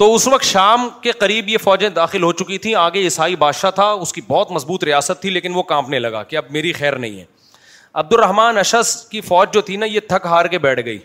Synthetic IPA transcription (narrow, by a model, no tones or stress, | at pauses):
t̪oːʊsʋɐk̚t̪ʃaːmkeqɐɾiːbjefɔːd͡ʒẽd̪aːxɪlɦot͡ʃʊkit̪ʰĩaːɡeɪsaːibaːd̪ʃat̪ʰaʊskibɔːt̪mɐzbuːt̪ɾijaːsət̪ʰːileːkɪnʋokãːmpnelɐɡa̰ːkeɐb̚meːɾixɛːɾnɐ̰ɦḭ̃ɦɛ̰ː | ɐb̚d̪ʊɾːɐɦmaːnɐʃəskifɔːd͡ʒd͡ʒoːt̪ʰinajet̪ʰɐkɦaːɾkebɛːʈʰɡɐḭː